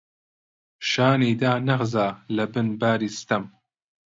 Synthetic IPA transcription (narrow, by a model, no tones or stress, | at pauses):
ʃaːniːd̪aːnɐʁzaːlɐbɨnbaːɾiːst̪ɐm